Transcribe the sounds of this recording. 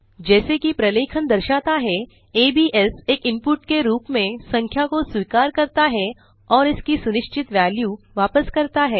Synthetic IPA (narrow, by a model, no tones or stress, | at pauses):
d͡ʒɛːsekipɾɐleːkʰənd̪ɐɾʃaːt̪aɦɛ | eːbiːʔɛseːkɪ̃mpʊʈkeɾuːpmẽsɐ̃ŋkʰjakoswiːkaːɾkɐɾt̪aɦɛ | ɔːɾɪskisʊnɪʃt͡ʃɪt̪ʋɛːljuː | ʋaːpəskɐɾt̪aɦɛː